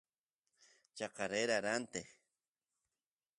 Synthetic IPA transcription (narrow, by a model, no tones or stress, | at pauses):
t͡ʃaqaɾeɾaɾant̪e